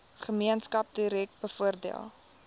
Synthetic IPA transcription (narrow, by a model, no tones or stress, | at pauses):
χəmiənskɐp̚diɾɛk̚t̚bəfuərdḭə̰lˠ